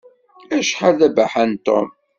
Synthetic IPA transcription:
æʃħaðæbaħant̪o̰m

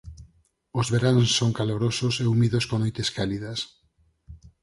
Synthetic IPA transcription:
ozβeɾanssːoŋkaloɾososeumiðoskonojt̪eskaliðɐs

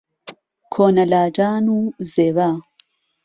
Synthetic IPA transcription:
kʰonalad͡ʒaːnuzeβa

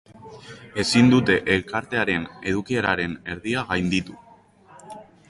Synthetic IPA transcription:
e̞sind̪ut̪e̞ʔelkaɾt̪e̞aɾe̞ne̞ðukie̞ɾaɾe̞ne̞ɾðiaɣajnd̪it̪u

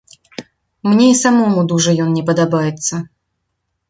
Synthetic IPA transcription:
mnʲeisɐmomud̪uʐɨjonnʲɪpəd̪ɐbajɪt̪sə

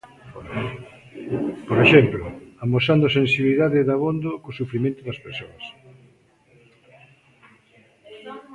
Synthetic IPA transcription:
poɾeʃɛmplʊamosand̪ʊsensiβliðaðɪðaβond̪okosufɾimẽnt̪ʊðɐspeɾsoɐs

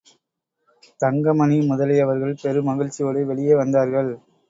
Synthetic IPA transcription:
t̪ɐŋɡɐmɐnimʊðɐlɐɪɐʋɐɾɣɐɭpɛɾɯmɐɣɪɻt͡ʃːɪjoːɽɯʋɛɭɪjeːʋɐnd̪aːɾɣɐɭ

